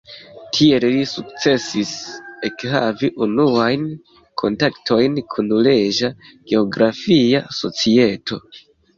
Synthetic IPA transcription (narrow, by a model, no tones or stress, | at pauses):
tʰie̞llisuk̚t͡se̞sise̞kɦaviʔunuajn | kʰo̞ntakto̞jnkʰunle̞ʒaɡ̥e̞o̞ɡɾafiaso̞̰t͡sie̞tʰo̞